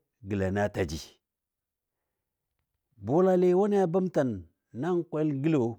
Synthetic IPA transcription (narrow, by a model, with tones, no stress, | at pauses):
ɡi˨la˨na˦ta˨d͡ʒi˨ | bo˦la˦le˦wa˦n˦ja˦ba˦mta˨nː | a˦ŋ˦kʷe˦lɡi˦lo˨